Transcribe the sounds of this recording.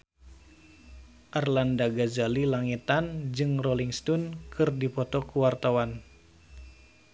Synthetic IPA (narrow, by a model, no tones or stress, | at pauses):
ʔarlandaɡazalilaŋit̪and͡ʒɨŋrɔliŋst̪ɔnkʰɨrdipɔt̪ɔkuwart̪awan